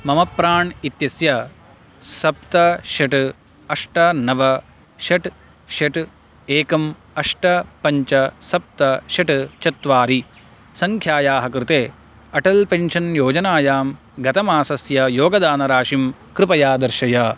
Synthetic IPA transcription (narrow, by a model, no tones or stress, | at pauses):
mɐmɐpɾaːɳit̪jɐsjɐ | sɐp̚t̪ɐʃɐʈ | ɐʂʈɐnɐʋɐ | ʃɐʈ | ʃɐʈ | eːkɐm | ɐʂʈɐpɐɲt͡ʃɐsɐp̚t̪ɐʃɐʈt͡ʃɐt̪ʋaːɾi | sɐŋkʰjaːjaːɦɐkɾɪt̪eː | ɐʈɐlpenʃɐnjoːd͡ʒɐnaːjaːm | ɡɐt̪ɐmaːsɐsjɐjoːɡɐd̪aːnɐɾaːʃimkɾɪpɐjaːd̪ɐɾʃɐjaː